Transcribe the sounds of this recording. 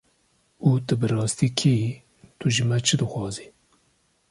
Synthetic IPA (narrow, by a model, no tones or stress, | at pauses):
ut̪ɨbɨɾɑːst̪iːkʰi | t̪ʰuʒɨmɛt͡ʃʰɨd̪ɨxɑːzi